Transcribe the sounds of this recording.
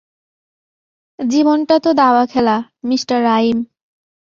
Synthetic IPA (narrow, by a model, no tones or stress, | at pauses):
d͡ʑibonʈat̪od̪aoakʰɛla | misʈaɾːaim